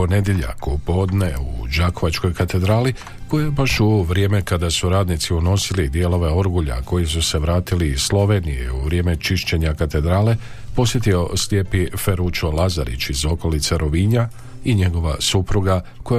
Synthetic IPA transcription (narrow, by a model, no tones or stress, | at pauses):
pone̞d̪jeʎa̰kupo̞d̪ne̞ud͡ʒako̞ʋat͡ʃko̞jkat̪e̞d̪ɾaːli | ko̞jejebaʃuʋɾjeme̞kad̪asuɾaːd̪nit̪siuno̞silid̪je̞lo̞ʋe̞o̞ɾɡuʎa̰ko̞jisuse̞ʋɾaːt̪iliːslo̞ʋe̞nije̞uʋɾje̞ːme̞t͡ʃiʃt͡ɕe̞ɲakat̪e̞d̪ɾaːle̞ | po̞sje̞t̪io̞slje̞pife̞ɾut͡ʃo̞laza̰ɾḭt͡ɕizo̞ko̞lit̪seɾo̞ʋiɲa | iɲe̞ɡo̞ʋasupɾuɡakoj